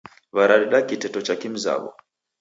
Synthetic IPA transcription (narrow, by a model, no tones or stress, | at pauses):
βaɾaɾiɗakitɛtɔt͡ʃakim̩za̰βɔ̰